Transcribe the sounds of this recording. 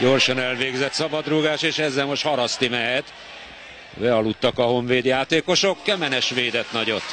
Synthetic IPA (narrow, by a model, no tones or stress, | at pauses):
ɟo̞rʃɒnɛlveːɡzɛt̪sɒbɒd̪ruɡaːʃeːʃɛzːɛlmo̞ʃt̪hɒɾɒst̪imɛɦɛt̪ | bɛɒlut̪ːɒkɒɦo̞ɱveːd̪jaːt̪eːko̞ʃokːɛmɛnɛʃʋeːd̪ɛt̪nɒɟo̞t̪ː